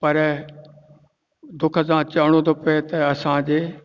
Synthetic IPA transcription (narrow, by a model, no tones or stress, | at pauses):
pɐɾ | d̪ʊkʰəsãːt͡ɕɐɽ̃õd̪opet̪ɐɐsãd͡ʑeː